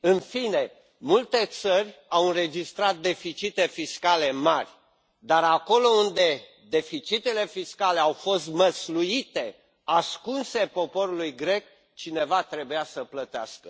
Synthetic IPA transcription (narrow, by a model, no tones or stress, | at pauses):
ɨnfine̞ | mult̪e̞t̪sərʲawɨnɾe̞d͡ʒist̪ɾat̪̚d̪e̞fit͡ʃit̪e̞fiskale̞marʲ | d̪aɾako̞lo̞und̪e̞ | d̪e̞fit͡ʃit̪e̞le̞fiskaleawfo̞st̪məsluit̪e̞ | askunse̞po̞po̞ɾulujɡɾe̞k̚ | t͡ʃine̞vat̪ɾe̞bujasəplət̪ea̰skə